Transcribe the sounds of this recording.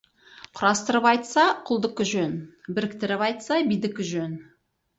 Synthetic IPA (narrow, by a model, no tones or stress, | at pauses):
qʰʊɾɑst̪əɾəpɑjt̪sɑqʰʊlˠd̪əkʲɪʒɵnbɪɾɪk̚t̪ɪɾɪpɑjt̪sɑbijd̪ɪkʲɪʒɵn